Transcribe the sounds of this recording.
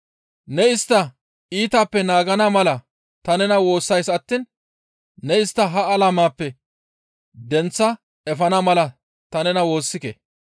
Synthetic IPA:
nɛɪst̪ːɐ | iːt̪aːpːɛnaːɡɐnɐmɐlɐ | t̪ɐnɛnɐwo̞ːsːɐjsɐt̪ːiːnː | ɛɪst̪ːɐɦɐːlɐmaːpːɛ | d̪ɛnt͡sːɐ | ɛfɐnɐmɐlɐ | t̪ɐnɛnɐwo̞ːsːɪkḛ

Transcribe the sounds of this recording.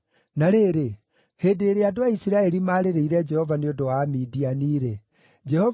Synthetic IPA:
naɾeːɾe | hedeɾeadoaisiɾaeɾimaɾeɾeiɾɛd͡ʒɛhɔvaneodɔwamidianiɾɛ | d͡ʒɛhɔ

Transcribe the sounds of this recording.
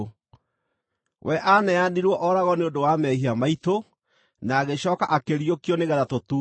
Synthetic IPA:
wɛʔanɛaniɾwɔʔɔɾaɣɔneondowamɛhiamaito | naːɣeɕɔːkaʔakeɾiokiɔneɣɛɾatotuː

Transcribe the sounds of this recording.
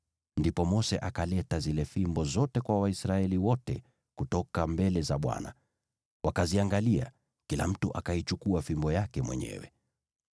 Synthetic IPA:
ndipɔmɔsɛ̰ʔakalɛtazilɛfimbɔzɔtɛkwawaisɾaɛliwɔtɛ̰ | kutɔkambɛlɛzaɓwa̰na̰ | wʔakaziaŋɡalia̰ | kila̰m̩tuʔakait͡ʃukuafimbɔjakɛmwɛ̰ɲɛ̰wɛ̰

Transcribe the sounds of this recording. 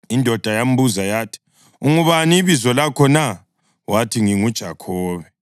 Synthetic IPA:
indʱɔd̥ʱajam̩buzajaːtʰi̥ | uŋuβaniβizɔlakʰɔna | watʰiŋiŋud̥ʒ̥ʱa̰kʰɔːβɛ

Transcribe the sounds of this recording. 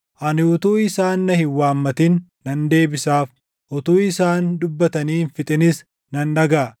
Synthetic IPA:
ʔɐnɪʊt̪uːɪsaːnːɐhɪwaːmːɐt̪ɪnː | ɐnd̪e̞ːbɪsaːf | ʔʊt̪uːɪsaːnd̪ʊbːɐt̪ɐniːnfɪt̪ʼɪnɪs | nɐnːɐɡaː

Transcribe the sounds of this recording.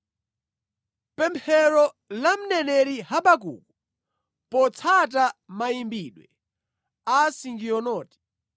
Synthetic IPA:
pɛmpʰɛɾɔ | lam̩nɛnɛɾihaɓakṵku | pɔt͡sʰatamaimbiɗwɛ̰ | asiŋɡiɔnɔːti̥

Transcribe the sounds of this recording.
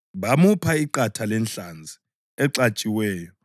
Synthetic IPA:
βamupʰaiǃatʰalɛnɬand͡zʱi | ɛǀat͡ʃʼiwɛːjɔ

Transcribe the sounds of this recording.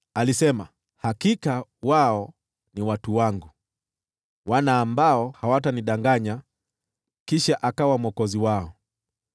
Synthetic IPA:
alisɛma | hakikawaɔ | niwatuwaŋɡu | wanaːmbaɔhawataniɗaŋɡaɲa | kiʃaʔakawamwɔkɔziwaɔ

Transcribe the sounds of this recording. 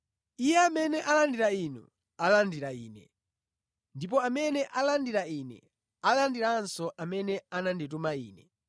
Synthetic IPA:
ijɛamɛnɛʔalandiɾainṵ | alandiɾaiːnɛ̰ | ndip̬ɔamɛnɛʔalandiɾainɛ̰ | alandiɾansɔʔamɛnɛanandit̬umaiːnɛ

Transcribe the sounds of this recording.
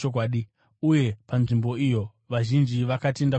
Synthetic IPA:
ok̬waːɗi | uje̞panʐimbo̞ijo̞ | ʋaʒind͡ʒiʋakate̞nda

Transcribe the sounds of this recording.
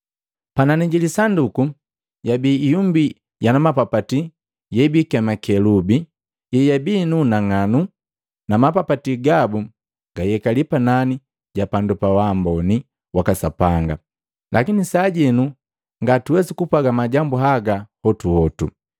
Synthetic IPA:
pananiɟilisanduku | jabiːjumbi | janamapapati | jɛbikɛmakɛlubi | jɛjabinunaŋanu | namapapatiɡabu | ɡajɛkalipanani | ɟapandupawaːmbɔni | wakasapaŋɡa̰ | lʔakinisaːɟɛnu | ŋɡatuwɛsikupaɡamaɟambuɦaɡahɔtuhɔtu

